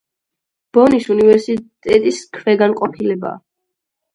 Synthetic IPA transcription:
b̥ɔnisunivɛɾsit̪ʼɛt̪ʼiskʰvɛɡanqʼɔpʰilɛba̰ː

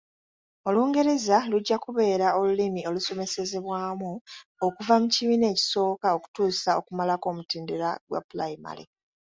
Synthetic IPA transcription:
o̞luːŋɡe̞ɾe̞zaluɟːakuβe̞ːɾao̞lulimio̞luso̞me̞se̞ze̞βwaːmuokuvamuciβiːne̞ːci̥so̞ːkao̞ku̥tuːsao̞kumalako̞ːmutiːndeɾaɡwa̰pulaima̰lḭ

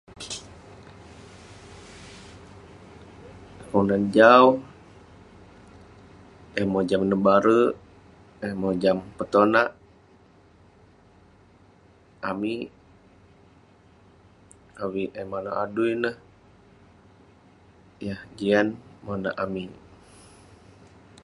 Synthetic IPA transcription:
konand͡ʒau | ɛmod͡ʒamnəbaɾə | ɛmod͡ʒampət̪onaʔ | ami | awiʔemanoʔa̰duinəh | jahd͡ʒianmona̰ʔami

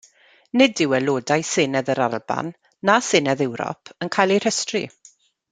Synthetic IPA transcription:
nɪdɪwɛloːdajsɪnɛðəɾalˠba̰nː | asɪnɛðɛwɾɔ̰pʰənkʰajlˠejr̥əstrḭ

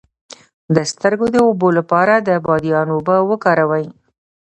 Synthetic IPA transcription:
d̪əst̪əɾɡod̪əobolapɑɾad̪əbɑd̪ijɑnobəwəkɑɾawəj

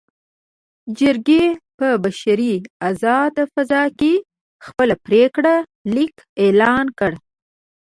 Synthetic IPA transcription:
d͡ʒəɾɡepəbaʃaɾiazɑd̪fazɑke | xpəlapɾekɽa | lik | elɑnkəɽ

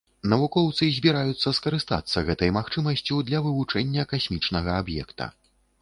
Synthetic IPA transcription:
nɐvukɔwt̪sɨzʲbʲiɾajut̪sːɐskɐɾɨst̪a̰t̪sːɐɣɛt̪ɐjmaxt͡ʂɨmɐsʲt͡sʲud̪lʲɐvɨvut͡ʂɛnʲːɐkasʲmʲit͡ʂnɐɣɐabjɛ̰kt̪ɐ̰

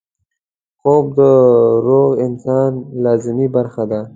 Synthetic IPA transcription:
xob̚d̪əɾoɣɪnsɑnlɑːzɪmibaɾxad̪a

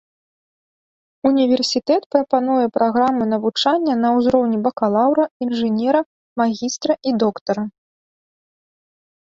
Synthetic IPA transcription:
unʲivʲɛrsʲit̪ɛt̪pɾɐpan̪ujɛpɾʔaɣɾamɨnɐvut͡ʂanʲːɐnɐwzɾɔwnʲibɐkalˠawɾɐinʐɨnʲɛɾɐ | maɣʲist̪ɾɐʔid̪ɔkt̪ɐɾɐ

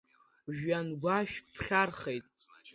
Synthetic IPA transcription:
ʒᶣanɡʷaʃᶣpʰχʲarχejtʼ

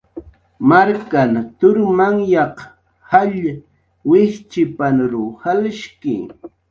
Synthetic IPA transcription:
maɾkant̪ʊɾmaŋjɑq | haʎ | wɪht͡ʃɪpanɾʊhalʃkɪ̰

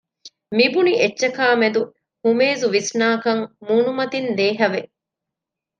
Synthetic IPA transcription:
mibuniʔetːʃːɐkaːmed̪u | humeːzuʋisnaːkɐŋmuːnumɐt̪ind̪eːɦɐʋe

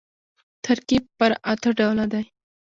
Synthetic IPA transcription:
t̪ʰaɾkib̚pəɾat̪əɖawlad̪aj

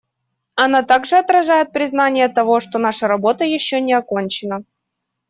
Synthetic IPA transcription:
ɐnat̪aɡʐɨɐt̪ɾɐʐajɪt̪̚pɾʲɪznanʲɪjət̪ɐvo̞ʂt̪o̞n̪aʂəɾɐbo̞t̪əjɪɕːonʲɪɐko̞nʲt͡ɕɪnə

